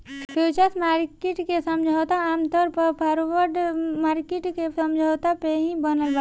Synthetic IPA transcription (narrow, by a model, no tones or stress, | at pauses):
pjuːt͡ʃəsmaːɾkeʈkesɐmd͡ʒʱaːt̪aaːmt̪ɔːɾpɐpʰɔːɾwəɾɖmaːɾkɪʈkesɐ̃md͡ʒʱaːt̪apeɦĩbənəlba